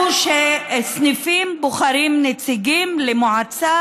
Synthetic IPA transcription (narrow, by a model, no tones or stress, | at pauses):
ʃesnifimboχaɾimnet͡siɡimlemoʕat͡sa